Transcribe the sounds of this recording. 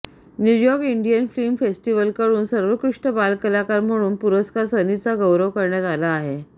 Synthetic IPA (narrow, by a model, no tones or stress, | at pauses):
nujɔɾkiɳɖijənflimfesʈiʋəlkəɽuːnsəɾʋəkɾuʂʈəbalkəlakaɾm̤əɽ̃uːnpuɾəskaɾsənit͡saɡəwɾəʋkəɾɳjat̪alaːɦe